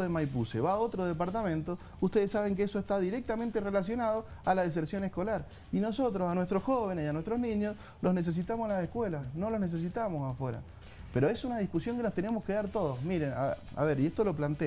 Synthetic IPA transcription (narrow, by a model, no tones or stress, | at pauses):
ðemajpuseβao̞t̪ɾoð̞epaɾt̪amẽ̞nt̪o | ust̪e̞ð̞esːaβ̞eŋkeesoest̪aðiɾek̚t̪ament̪erelas̬jo̞nað̞o̞alaðes̬eɾsjo̞nehko̞laɾ | ino̞so̞t̪ɾosanwe̞st̪ɾosxo̞βenesianwet̪ɾoznĩɲos | lo̞snes̬e̞s̬it̪amosenlasehkwelasno̞lo̞znes̬es̬it̪amosafwe̞ɾa̰ | pe̞ɾo̞esunaðihkusjo̞ŋkenost̪enemohkeðaɾt̪o̞ð̞osmiɾena̰ | a̰βeɾieht̪olo̞plant̪e